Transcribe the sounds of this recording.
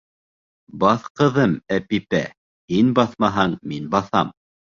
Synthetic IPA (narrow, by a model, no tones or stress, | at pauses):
bɑθqɤ̆ðɤmæpipæ̰ | hinbɑθmɑɦɑɴminbɑθɑm